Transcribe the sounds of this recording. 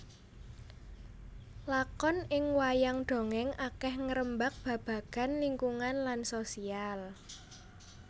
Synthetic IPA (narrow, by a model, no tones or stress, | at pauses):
lakɔnɪŋwajaŋɖ̥o̤ŋɛŋakɛhŋəɾəmbak̚b̥ä̤b̥ä̤ɡ̥a̤nliŋkuŋanlansosial